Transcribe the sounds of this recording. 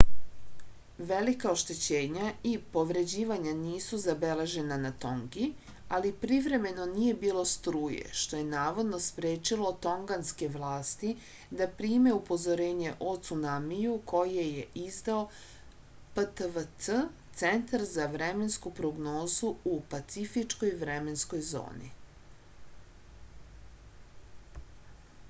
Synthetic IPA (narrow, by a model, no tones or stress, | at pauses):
ʋe̞likaoʃt̪e̞t͡ɕe̞ːɲaipo̞ʋɾe̞d͡ʑiːʋaɲaniːsuzabe̞le̞ʒe̞nanat̪o̞ŋɡi | alipɾiʋɾe̞me̞no̞nije̞biːlˠo̞st̪ɾuːjḛʃt̪o̞je̞naːʋo̞d̪no̞spɾeːt͡ʃilo̞t̪o̞ŋɡanske̞ʋlˠaːst̪i | d̪apɾiːme̞upo̞zoɾe̞ːɲe̞ʔo̞t̪sunamijukʰo̞jieje̞ʔizd̪ao | pət̪əʋət̪sət̪se̞nt̪aɾzaʋɾe̞me̞nskupɾoɡno̞ːzuupat̪sifit͡ʃko̞jʋɾeme̞nsko̞jzo̰ːnḭ